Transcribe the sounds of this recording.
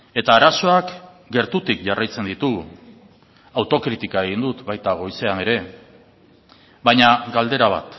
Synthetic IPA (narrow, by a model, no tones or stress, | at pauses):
e̞t̪aːɾaso̞ak | ɡe̞ɾt̪ut̪ikʝarajt͡se̞nd̪it̪u | awt̪o̞kɾit̪ikae̞ɣind̪ut̪bajt̪aɣo̞jse̞ane̞ɾe̞ | βajɲaɡald̪e̞ɾaβ̞a̰t̪